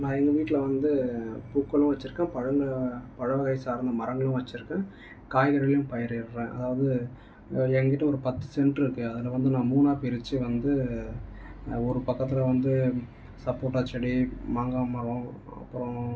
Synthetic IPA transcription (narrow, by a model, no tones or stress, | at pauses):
nãːɛŋɡɐʋiːʈːɪlɐʋɐnd̪ɯpuːkːɐlʊ̃ʋɐt͡ʃːɪɾɯkːãːpɐɻɐŋɡɐpɐɻɐʋɐɣɐɪsaːɾnd̪ɐmɐɾɐŋɡɐɭʊ̃ʋɐt͡ʃːɪɾɯkːẽː | kaːjɣɐɾɐljʊ̃mpɐjɪɾɪɾɾẽːʔɐ̰ðaːʋɐðɯ | ɛŋɡɪʈːɐɔɾɯpɐt̪ːɯ̥sɛɳɖrɪɾɯkːɯɐðɪlɐʋɐnd̪ɯnãːmuːnaːpɪɾɪt͡ʃːɯʋɐnd̪ɯ | ɔɾɯpɐkːɐt̪̬ːɪlɐʋɐnd̪ɯ | sɐpoːʈːaːt͡ʃːɐɽimaːŋɡamɐɾɐ̃ | ɐ̰pːɯɾɔõ